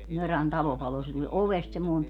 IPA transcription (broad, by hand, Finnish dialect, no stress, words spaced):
møræn tɑlo pɑlo se tulʲ oʋest semːoi̯m